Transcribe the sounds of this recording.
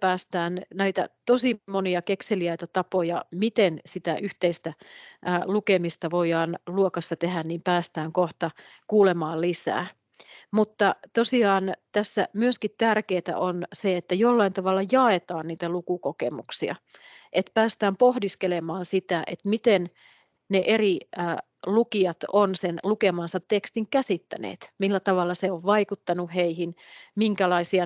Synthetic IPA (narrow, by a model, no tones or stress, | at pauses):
pæːst̪æːnnæit̪æ̰t̪osimoniɑkekseliæit̪æt̪ɑpojɑ̰mit̪ensit̪æʔyht̪eist̪æʔlukemist̪ɑʋojɑːnluokɑsːɑt̪eɦænniːmpæːst̪æːŋkoht̪ɑ | kuːlemɑːllisæ̰ː | mut̪ːɑt̪osiɑːnt̪æsːæ̰myøskit̪tærkeːt̪æ̰ʔonseet̪ːæjolːɑint̪ɑʋɑlːɑjɑet̪ɑːnniːt̪ælukukokḛmṵksiɑ̰ʔet̪pæːst̪æːmpohdiskelemɑːnsit̪æʔet̪mit̪en | neʔeri | lukiɑt̪onsenlukemɑnsɑt̪ːekst̪iŋkæsit̪ːæ̰nḛːt̪milːæt̪ɑʋɑlːɑseoʋʋɑikut̪ːɑnuheihinmiŋkælɑisiɑ